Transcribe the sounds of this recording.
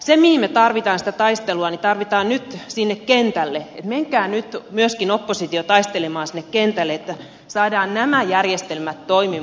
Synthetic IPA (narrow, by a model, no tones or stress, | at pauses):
semihimmet̪ɑrʋit̪ɑːnsi̥t̪æt̪ɑist̪eluɑnit̪ɑrʋit̪ɑːnnyt̪sinːekkent̪ælːeet̪meŋkæːnyt̪myøskinopːosit̪iot̪ɑist̪elemɑːnsinːekkent̪ælːˑeet̪ːæ | sɑːdɑːnnæmæjærjest̪elmæt̪toimi